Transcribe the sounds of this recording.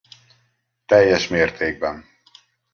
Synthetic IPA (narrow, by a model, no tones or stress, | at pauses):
t̪ɛjːɛʃmeːrt̪ʰeːɡ̚bɛn